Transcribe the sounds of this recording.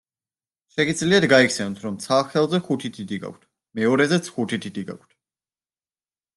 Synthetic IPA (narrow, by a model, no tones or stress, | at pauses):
ʃɛɡid̪zliad̪ɡaikʰsɛnt̪ʰɾɔmt̪sʰaχɛlˠzɛχut̪ʰit̪ʰid̪iɡa̰kʷʰt̪ʰ | mɛɔɾɛzɛt̪sʰχut̪ʰit̪ʰid̪iɡa̰kʰt̪̚ʰ